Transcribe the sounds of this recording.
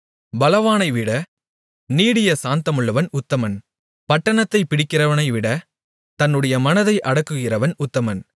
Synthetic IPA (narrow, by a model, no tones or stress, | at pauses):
bɐlɐʋaːnɐɪʋɪɽɐ | niːɽɪjɐsaːnt̪ɐmɯɭːɐʋɐnʊt̪ːɐmɐn | pɐʈːɐɳɐt̪ːɐɪpːɪɽɪkːɪrɐʋɐnɐɪʋɪɽɐ | t̪ɐnːɯɽɐjɐmɐnɐðɐɪʔɐɽɐkːɯɣɪrɐʋɐnʊt̪ːɐmɐn